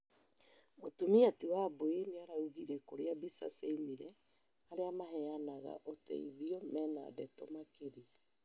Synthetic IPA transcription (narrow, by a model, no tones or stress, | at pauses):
motumiatiwaboeneaɾauɣiɾɛkoɾeabisa̰seimiɾɛ | aɾeamaɦɛanaɣa̰ʔotɛ̰ḭðiɔmɛna̰dɛtɔmakeɾia